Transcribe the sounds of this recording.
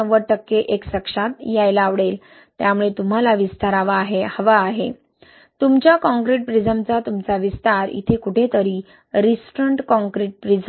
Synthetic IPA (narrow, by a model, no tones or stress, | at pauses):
əʋəɾʈəkːeʔeksəkʂat̪jajlːʋɽel | t̪jamuɭet̪um̤alaʋist̪aɾaʋaːɦehəʋaːɦe | t̪umt͡ɕjakɔ̃ŋkɾiʈ̚pɾid͡zəmt͡sat̪umt͡saʋist̪aɾḭt̪ʰekuʈʰet̪əɾiː | ɾisʈɾəɳʈkɔ̃ŋkɾiʈ̚pɾid͡zə